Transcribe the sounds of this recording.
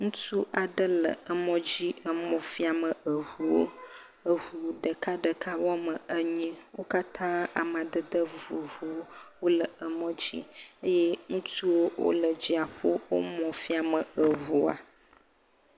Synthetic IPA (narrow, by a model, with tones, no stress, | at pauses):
ŋũ˦tu˦ʔa˨ɖə˦lə̰˨ə˨mɔ̃˦d͡ʑi˦ə˨mɔ̃˨fi˦a˨mə˨ə˨ɦu˨wo˦ | ə˨ɦu˨ɖə˨ka˦ɖə˨kʰa˦wɔ˦mə˨ə˦ɲĩ˦wo˦ka˦t̪ʰã˦a̰˨m˨ã˨d̪ə˨d̪ə˦vu˨vu˨wo˦wo˦lə˨ə˨mɔ̃˦d͡ʑḭ˦ə˦je˦ŋũ˦tu˦wo˦wʔo̰˦lə˨d͡ʑi˦a˨ɸo˦wo˦mɔ̃˨fi˦a˨mə˨ə˨ɦu˨a̰˨